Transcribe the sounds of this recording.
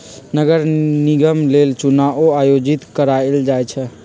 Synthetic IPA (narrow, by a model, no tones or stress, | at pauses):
nəɡəɾniɡəmlelt͡ʃunaʔoajod͡ʒit̪kəɾaeld͡ʒajt͡ʃʰɛ